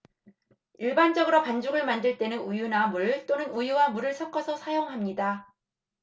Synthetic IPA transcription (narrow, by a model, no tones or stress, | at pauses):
iɭband͡ʑʌɡɯɾopand͡ʑuɡɯɭmandɯɭt͈e̞nɯnujunamuɭt͈onɯnujuwamuɾɯɭsʰʌk͈ʰʌsʰʌsʰajoŋɦamɲida